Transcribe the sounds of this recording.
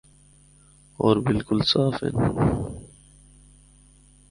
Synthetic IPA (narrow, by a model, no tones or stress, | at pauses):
oːɾbilkʊlsaːfḛn